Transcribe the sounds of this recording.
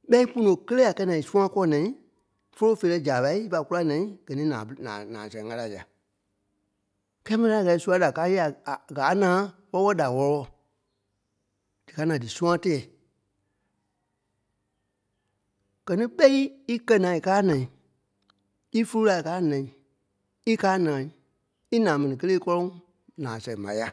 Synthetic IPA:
ɓɛ˦i˦pũ˦nõ˨kə˦leː˦a˨kɛ˧˦nãː˨i˨sũ˦ã˦kɔ˦nã˨ĩ˦ | fo˦lo˦feː˨lɛ˧d͡ʒaː˨ɓa˧˦i˦i˦fa˧ku˦la˦nã˨ĩ˦ɡ̥ɜ˨nĩː˨˦nã̰ː˨nã̰ː˨nã̰ː˨sɛ̃˨˦ŋa˧la˨ja̰˨ | kɛː˦mĩ˦a˨ɛ˧˨ɛ˨su˦a˧˦da˨kaː˦je˦a˨ɡaː˨˦nãː˨˦ | wɔ˦wɔ˦da˨wɔ˧ɔ˧wɔ˧˨ | d̥ɨ˨kaː˨˦nã˨dɨ˨sũ˦ã˦tɛ˦ɛ˨ | ɡ̥ɜ˨nĩ˦ɓɛ˦i˦i˦kɜ˦nãː˨i˨kaː˦nã˨ĩ˨ | i˦fu˦u˦la˨i˨kaː˦nã˨ĩ˨ | i˦kaː˦nãː˨ | i˦nãː˨˦mɛ̃˨nĩ˨kə˦leː˦kɔ˦lɔ̃˦ŋ | nãː˨sɛ̃˨˦mã˨˦ja˨˦

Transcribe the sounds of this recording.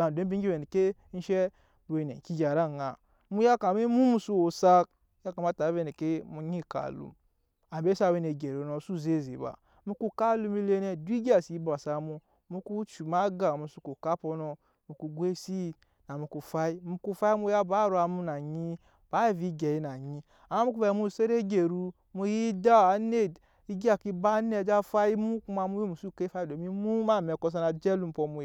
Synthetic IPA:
a˨de˦bi˦i˦e˨ni˨ke˦n̩˦ʃɛ˦˨ | e˨nḛ˨ki˦ɡa˨ɾa˦˨ŋa˨ | mu˦ja˦ka˨mi˦mu˦mu˨su˦o˨sa˦k̚ | ja˦ka˨ma˦˨ta˨˦ve˦˨ne˨ke˦mu˨˦ɲi˦˨ka̰˨lṵ˦ | a˨m˨be˦sa˦˨we˦ne˨ɡe˨ɾo˨no˨˦su˦ze˦˨ze˨ba̰˨ | mu˦ku˦ka˦lu˦mi˦le˦ne˦di˦ɡʲa˨si˨˦ba˨sa˨mu˦ | mu˦ku˦t͡ʃu˨ma˦ɡa˨mu˨su˦ku˨ka˦po˧nɔ˧ | mu˧ku˧ɡʷe˦si˦˨ | na˨mu˧ku˧fa˦i˦mu˧ku˧fa˦mu˧ja˦baː˨˦˨ɾu˧a˧mu˧na˨ɲi˧ | b̥a˨˦i˨vi˨˧˦ɡɛ˨ji˧˦na˨ɲi˧ | a˨ma˦mu˦ku˧˦a˧˨mu˧˨se˦ɾe˦ɡe˨ɾu˧ | mu˧ji˦da˦a˨˦ne˦˨ | i˦ɡa˧˨ki˧ba˦nɛ˧˨d͡ʒa˦fa˦ji˦mu˦ku˧ma˧mu˧˦je˦mu˨su˦˨ke˦fa˦i˦˨o˨mi˦mu˦ma˦˨mɛ˨˧˨kɔ˧s̬a˧na˧d͡ʒɛ˦lu˧˦m̩˧pɔ˧mu˧˨

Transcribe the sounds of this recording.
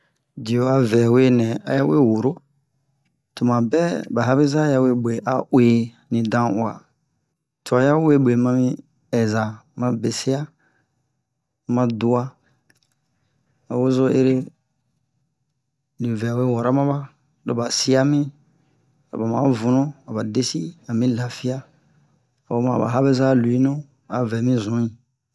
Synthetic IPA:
di˨o˨a˨vɛ˨we˦nɛ̃˨a̰˦ja˦wḛ˦wo˨ɾo˦ | to˨mã˨bɛ˦ba˨ɦa˦bi˦za˦ja˦we˦ɓe˨ʔa̰˨ʔwe˨ | nĩ˨dã˦u˨a̰˨ | tu˨a˨ja˦we˦ɓe˨mã˧mĩ˦ | ɛ˨za˨mã˨˦be˨si˦a˦ | mã˨du˦a˦ | a˨wo˦zo˦ḛ˦ɾe˦ | nĩ˨vɛ˨a˨we˦wɔ˨ɾa˦mã˦ba˦ | lo˨ba˨si˦a˦mĩ˦ | la̰˨ba˨mã˨˦vũ˨nũ˦a˨ba˨de˦si˦a˨mĩ˦la˨fi˦a˦ | a˨o˦mã˨ba̰˨ɦa˦be˦za˦lu˨i˦nũ˦ | a̰˨vɛ˨mĩ˦zũ˨˦ĩ˨

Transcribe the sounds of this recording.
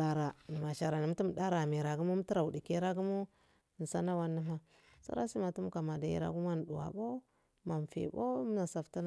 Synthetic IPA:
a˨ɾa˨ni˨ma˨ʃa˨ɾa˨ni˨m˦ti˦m˨da˦ɾa˨mi˨ɾa˨ɡu˦mu˦m˦ti˦ɾa˨u˨di˨ke˦ɾa˦ɡu˦mu˦˨ | n˨sa˦na˦wa˦nːi˦ma˦ | sa̰˦ɾa˦si˦ma˨tu˦m˦ka˨ma˨da˦jḭ˦ɾa̰˦ɡu˦ma˦n˨dṵ˨wa̰˨bo˦ | ma˨m˨fḭ˨bo˦m˦na˨sa˨fta˦n˨

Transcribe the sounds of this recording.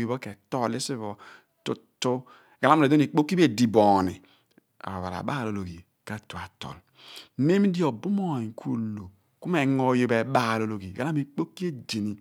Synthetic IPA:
ɡi˨bo˦ke˨tɔ˦li˦si˦vɔ˨ | tu˦tːo˦ | ɡa˨la˦m˦˨e˨do˦i˨k͡po˦kːi˦be˦di˨bɔ˨nḭ˨ | a̰˨ɾo˨βa̰˨ɾa̰˨ba˦˨lo˨lo˨ɡi˨ | ka˦tu˨a˨tɔ̰˨l | ne˦m˦di˦o˨bu˦mo˦˨i˨ŋ˨ku˦lo˨ | ku˦me˨ŋo˨jo˨be˨ɓa˦˨lo˨lo˨ɡi˨ɡa˨la˦mi˨k͡po˦kːi˦e˦d͡ʒe˨ni˨

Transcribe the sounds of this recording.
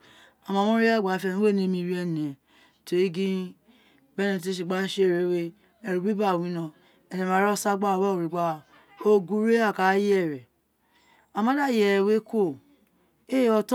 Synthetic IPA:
a˨mã˨˧˨mɔ̃˦ɾe˦a˦˨ɡ͡ba˨fe˧˨nũ˦e˦˨nĩ˦mĩ˧˦ɾi˦ɛ˧n˨e˨ | te˨e˦ɡĩ˦ | bɛ˦nẽ˧˨t̬e˦ʃ̬i˨ɡ͡ba˨˦ʃe˦˨ɾe˨˦we˦ | ɛ˨ɾu˨bi˦ba˦˨wĩ˦nã˧ | ɛ˨nẽ˨a˨˦ɾɔ˦sa˦ɡ͡ba˦˨wɔ˦o˨ɾi˨ɡ͡ba˦˨ | o˦ɡu˦ɾe˦a˦˨ka˨˦jɛ˦˨ɾɛ˨ | a˨mã˦da˦˨jɛ˨we˦ko˦˨ | e˦ɔ˧t

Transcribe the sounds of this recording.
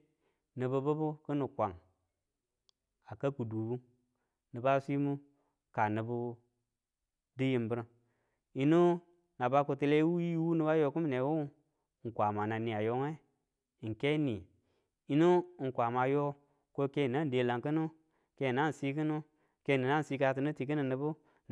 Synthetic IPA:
nɨ˨bɨ˧bu˦bu˦ku˦nu˨kʷa˨ŋ | a˨ka˦ku˨du˨bu˦ | nɨ˨ba˦si˦mu˦ | ka˨nɨ˨bu˦ | di˦ji˦mbə˦ɾ | i˦nu˦ | na˨ba˦ku˨ti˧le˦wu˦ji˦wu˦ni˦ba˦jo˧ku˦m˦ne˨wu˦˨ | ŋ̩˨kʷa˨ma˨na˨ni˨a˨jo˦ŋe˦˨ | ŋ˨ke˦ni˨ | i˨˦nu˦˨ŋ̩˨kʷa˨ma˨jo˦ | ko˦ke˦˨na˦n˨de˨la˨ŋkə˦nu˦ | ke˦˨na˦˨n̩˨si˦k̬i˦nu˦ | ke˦˨ni˨na˦˨si˧˦ka˧t̬ɨ˨nu˦ti˨ki˦ni˨ni˨bu˦

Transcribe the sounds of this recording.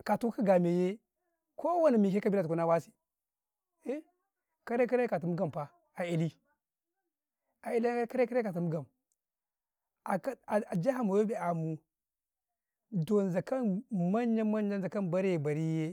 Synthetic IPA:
ka˨tu˦ki˦ɡa˨me˨je˦ | ko˦wa˦ni˨mi˨ke˦ka˦bi˦la˨tu˨ku˦na˦wa˦si̥˨ | e˦ | ka˦ɾe˦ka˦ɾka˨t̬u˨mu˦ɡa˨m˨pa˨ | a˨i˨li˦ | a˨i˨li˦ka˦ɾe˦ka˦ɾe˦ka˨t̬u˨mu˦ɡa˨m | a˨˦˨a˨d͡ʒa˦ɦa˨mu˨wo˦bi˨a˨mu˨ | do˨n˨za˨ka˦nma˦ɲ˦a˦ma˦ɲ˦a˦n˦za˨ka˦nba˦ɾje˨ba˨ɾi˦je˦

